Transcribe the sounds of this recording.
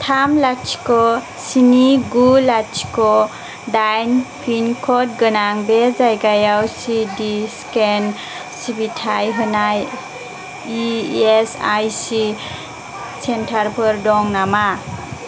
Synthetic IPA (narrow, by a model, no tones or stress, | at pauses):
tʰamlat͡ʃkɔ | siniɡulat͡ʃi̥kɔ | dajnpʰinkʰɔt̚ɡənaŋbezajɡajawsidisken | sibitʰajɦɯnaj | iesajsi | sentʰaɾpʰɯɾdɔŋnama